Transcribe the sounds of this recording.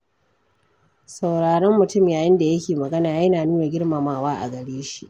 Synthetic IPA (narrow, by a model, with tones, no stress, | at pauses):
sa˨wɽaː˨ɽɔ˦mːʊ˨tʊ˦mjaː˨jɪ˦nda˨jɐ˦kʲeː˨mɐ˨ɡɐ˦naː˨jɐ˦naː˨nuː˦na˨ɡʲɪ˦ɽmaː˨maː˨waː˦ʔa̰˨ɡɐ˨ɽeː˦ʃi˦ʔ